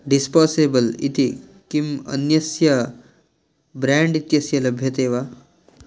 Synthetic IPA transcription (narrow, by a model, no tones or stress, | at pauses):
ɖispɔːsebəlit̪ikimɐ̰njɐsjɐ | bɾaɳɖit̪jɐsjɐlɐbʱjɐt̪eːʋa